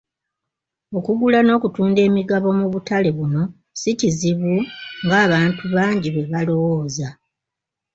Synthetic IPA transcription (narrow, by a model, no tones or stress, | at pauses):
o̞kuɡulano̞ːkutuːnde̞ːmiɡaβo̞muβutale̞βumu | siciziβuŋɡaːβaːntuβaːɲɟiβe̞βalo̞woːza